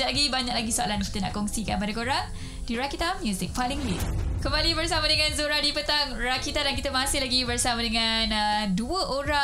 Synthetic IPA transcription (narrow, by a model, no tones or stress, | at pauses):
aɡibaɲak̚laɡisoa̰lanki̥t̪əna̰ʔkɔŋsikanpadakoɾaŋ | diɾakit̪ammjuzɪk̚palɪŋlikəmbalibərsamadəŋãnzoɾadipət̪aŋrakit̪adankit̪əmasɪhlaɡibərsamadəŋanəduəʔoɾa